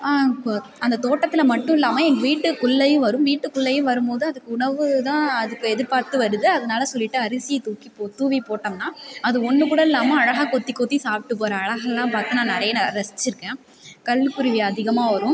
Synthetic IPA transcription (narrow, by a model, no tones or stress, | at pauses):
aːɐnd̪ɐt̪oːʈːɐt̪ːɪlɐmɐʈːʊ̃ɪlːaːmɐɛŋɡɐʋiːʈːɯkʊɭːɐjʊ̃ʋɐɾɯmʋiːʈːɯkʊɭːɐjʊ̃ʋɐɾɯmpoːðɯɐðɯkːɯʊɳɐɾʋɯt̪ãːɐðɯkːɯɛðɪɾpaːɾt̪ɯʋɐɾɯðɯɐðɐnaːlɐsɔlːɪʈːɯɐɾɪsɪjɐt̪uːkipoːt̪uːʋipoːʈːɐmnãːɐðɯɔnːɯkuːɽɐɪlːaːmɐɐɻɐɣɐkɔt̪ːikːoːt̪ːisaːpɪʈːɯpoːɾɐːɻɐɣɐlːãːpaːɾt̪ɯ̃nãːnɪɾɐjɐnɾɐst͡ʃːɪɾɯkːẽː | kɐɭːɯkːʊɾɪʋɪɐðɪɣɐmaːʋɐɾɯ̃